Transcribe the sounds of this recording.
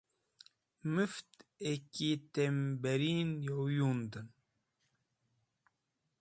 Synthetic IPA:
mɨft̪ekit̪embeɾiːnjowjund̪ɨn

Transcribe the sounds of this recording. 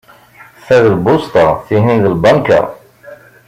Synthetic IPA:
θæðəlbʊst̪ˤɑθiɦinðəlbɑnkæ̰

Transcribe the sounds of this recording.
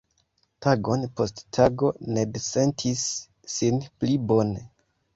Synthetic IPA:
taɡo̞npo̞sttʰaɡo̞ne̞dese̞ntʰisː | inplibo̞ne

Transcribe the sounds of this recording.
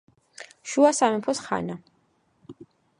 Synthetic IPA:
ʃuasamɛmpʰɔsχa̰na

